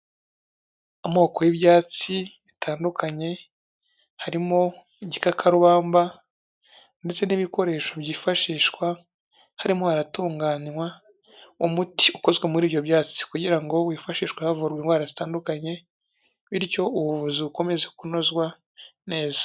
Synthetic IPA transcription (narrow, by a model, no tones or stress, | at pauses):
umo̞ːko̞jiβjaːt͡siβitʰaːndukʰaɲe̞ | haɾimo̞ | iɟikakʰaɾuβaːmba | nde̞t͡se̞niβiko̞ɾe̞ːʃo̞βjiːfaʃiːʃkwa | haɾimo̞haɾatuːŋɡaːnwa | umutiuko̞zɡwe̞muɾiːβjo̞bjaːt͡si̥kuɟiɾaŋɡo̞wifaʃiːʃwahavuɾɡwenɡwaːɾazitaːndukaɲe̞ | βiɾco̞uβuvuziuko̞me̞zekunozɡwa | ne̞ːzḁ